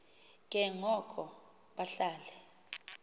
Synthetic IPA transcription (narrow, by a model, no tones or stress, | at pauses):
k̬ʼɛŋɔkʰɔ | ɓaɬaːlɛ